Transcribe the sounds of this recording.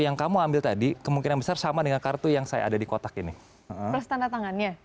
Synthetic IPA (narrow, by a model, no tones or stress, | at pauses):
jaŋkamuambɪlt̪adikəmuŋkinanbəsarsamadəŋankart̪ujaŋsaja̰a̰dadikot̪akinɪ | əʔəpərst̪anat̪aŋanɲa